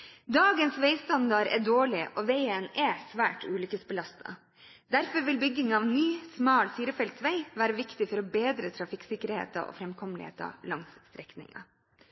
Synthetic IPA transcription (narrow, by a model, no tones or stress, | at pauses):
d̪ɑːɡənsʋeɪst̪ɑnd̪ɑɾɛ̰ɖoːɭɪʔɔʋeɪənɛsʋæːʈʉːlʏkəsbəlɑst̪ʰɑ̰ | d̪æɾfɔɾʋɪlbʏɡːɪŋɑʋnyːsmɑːlfiːɾəfɛlt̪ʋæɪʋæːɾəʋɪkt̪ɪfɔɾɔbeːd̪ɾət̪ʰɾɑfɪksɪkːəɾhḛːt̪ɑ̰ʔo̰fɾɛmkʰɔmlɪhḛːt̪ɑ̰lɑŋst̪ɾɛknɪ̰ŋɑ̰